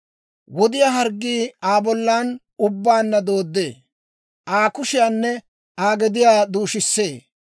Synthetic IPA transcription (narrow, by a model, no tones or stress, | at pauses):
wɔd̪ɪjaːɦɐɾɡːiːaːbɔlːaːn | ʊbːaːnːɐd̪o̞ːd̪ːḛː | ʔaːkʊʃɪjaːnːɛ | aːɡɛd̪ɪjaːd̪uːʃɪsːeː